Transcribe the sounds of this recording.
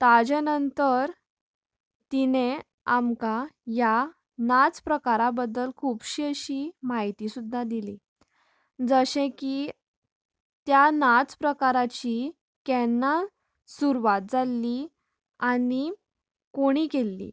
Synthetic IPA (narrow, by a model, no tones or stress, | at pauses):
t̪ad͡ʑenənt̪əɾ | t̪ine | amkaja | nat͡spɾəkaɾabəd̪ːəlkʰubɕiəɕimaɦit̪isud̪ʱːad̪ili | d͡zəɕẽki | t̪janat͡spɾəkaɾat͡ɕi | kɛnːa | suɾʋat̪̚d͡zalːi | ani | koɽ̃iːkelːḭ